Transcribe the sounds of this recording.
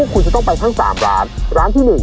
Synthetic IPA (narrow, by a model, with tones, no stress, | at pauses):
kʰu˧nt͡ɕa˨˩t̪ɔ˥˩ŋpa˧jt̪ʰa˥˩ŋsa̰ː˩˦mɾaː˦˥nɾaː˦˥nt̪ʰiː˥˩nɯ˨˩ŋ